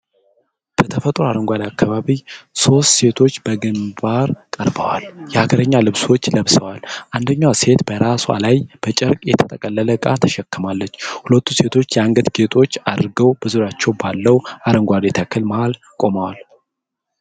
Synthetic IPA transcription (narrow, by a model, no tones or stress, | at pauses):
b̥ət̪ʰəfət̪ʼɾoaɾəŋɡʷad̪akːaβaβiso̞st̪se̞t̪ʰo̞t͡ʃːbəɡɨmbaɾkʼəɾbəwa̰ljɛhaɡəɾəɲːalɨβswo̞t͡ʃːləβsəwalʔand̪əɲːawse̞t̪bəɾasua̰lajb̥ət͡ʃʼɛɾkʼjɛt̪ʰə̥t̪ʼəkʼəlːələɡʼa̰t̪ʰə̥ʃɛkːəmalːət͡ʃːhulət̪ːuse̞t̪ʰo̞t͡ʃːjɛaŋɡət̪ɡet̪ʰʼo̞t͡ʃːad̪ɾɡəwbəzuɾat͡ʃːɛwbalːəwaɾəŋɡʷad̪et̪ʰakʰːɨlmaal | kʼo̞məwal